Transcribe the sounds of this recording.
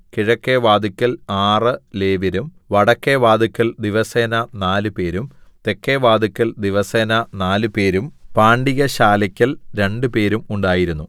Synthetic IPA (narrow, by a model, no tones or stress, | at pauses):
kiɻɐkːeʋaːd̪ukʲːɐlaːrɨle̞ːʋiɾum | ʋɐɽɐkːeʋaːd̪ukʲːɐld̪iʋɐseːnɐnaːlupe̞ːɾumt̪e̞kːeːʋaːd̪ukʲːɐld̪iʋɐseːnɐnaːlɨpe̞ːɾumpaːɳɖiɣɐɕaːlɐkʲːɐlɾe̞ɳɖɨpe̞ːɾumuɳɖaːjiɾunːu